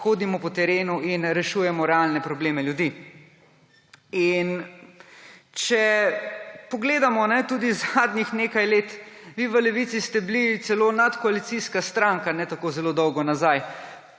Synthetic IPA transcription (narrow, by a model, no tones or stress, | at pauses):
xoːd̪imɔpɔt̪ɛɾeːnuinɾɛʃuːjɛmɔɾɛalnɛpɾɔbleːmɛljud̪i | in | t͡ʃɛ | pɔɡleːd̪amɔnɛt̪uːd̪izad̪nixneːkajleːt̪ʋiʋəlɛʋit̪sist̪ɛblit̪sɛlonat̪kɔalit̪siskast̪ɾaŋkanɛt̪akozɛloːd̪ɔwɡɔnazaj